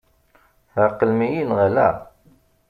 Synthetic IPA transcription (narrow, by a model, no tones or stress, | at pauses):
θəqːəlmijinʁælæ̰